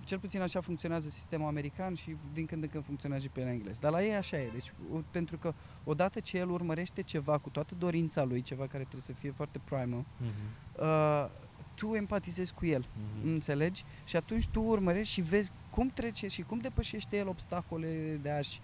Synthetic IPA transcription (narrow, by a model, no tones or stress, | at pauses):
t͡ʃe̞lput̪sinaʃafuŋkt̪sio̞neazəsi̥st̪e̞muame̞ɾikanʃid̪iŋkɨnd̪ɨŋkɨnfuŋk̪sio̞neazəpelaiŋɡle̞̰sd̪arlajejaʃaje̞d̪et͡ʃʲpe̞nt̪ɾukə | o̞d̪at̪ət͡ʃe̞je̞lurməɾe̞ʃt̪e̞t͡ʃe̞vakut̪oat̪əd̪o̞ɾint̪salujt͡ʃe̞vakaɾet̪ɾebesəfije̞foart̪e̞pɾajmə | ə | t̪ue̞mpat̪ize̞zʲkuje̞lɨnt̪se̞le̞d͡ʒʲ | ʃiat̪unt͡ʃʲt̪uːrməɾe̞ʃʃive̞zʲ | kumt̪ɾe̞t͡ʃeʃikumd̪e̞pəʃe̞ʃt̪ejelo̞bst̪ako̞le̞d̪eaʃ